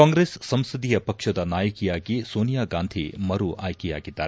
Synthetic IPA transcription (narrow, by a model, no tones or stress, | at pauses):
kaːŋɡɾeːsːɐmsid̪ijɐpɐkʂɐd̪ɐnaːjɐkijaːɡisoːnijaːɡaːnd̪ʱḭmɐɾuʔaːjkija̰ːɡid̪ːaːɾe